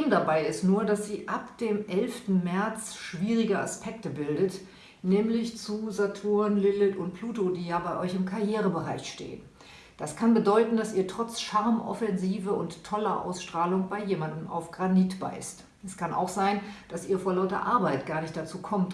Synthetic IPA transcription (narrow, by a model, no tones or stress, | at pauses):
mdabaɪɪstnuːɐdasz̥iːʔapd̥eːmʔɛlftn̩mɛɐt͡sʃv̥iːʁɪɡəa̰spʰɛk̚təbɪldət | nɛːmlɪçt͡suzatʰuːɐnlɪlɪtʊnt̚pʰl̥uːtodiːjaːbaɪʔɔʏçɪmkʰaɐjeːʁ̞əbəʁa̰ɪʃtḛːən | d̥askʰanbədɔʏtn̩dasʔiːɐtʁ̥ɔt͡sʃaɐmʔɔ̰fɛnziːvəʊntːʰɔlɐ̰ʔa̰ʊsʃtʁ̥aːlʊŋbaɪjeːmandm̩a̰ʊfɡ̥ʁaniːtb̥a̰ɪst | ʔɛskʰanʔa̰ʊxz̥aɪnd̥asʔiːɐfoːɐlaʊtɐ̰ʔaɐbaɪtɡ̥aːɐnɪçtd̥at͡suːkʰɔmt